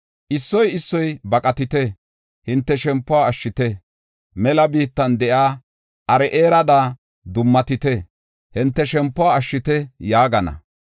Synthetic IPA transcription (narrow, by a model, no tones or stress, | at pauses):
ʔɪsːɔjɪsːɔjbɐkʼɐt̪ɪt̪ɛ | hɪnt̪ːɛʃɛmpːʊaɐʃːɪt̪ɛ | mɛlɐbiːt̪ːɐnd̪ɛʔaː | ʔɐɾɛʔeːɾɐd̪aː | d̪ʊmːɐt̪ɪt̪ɛ | hɪnt̪ːɛʃɛmpːʊaːɐʃːɪt̪ɛjaːɡɐnɐ̰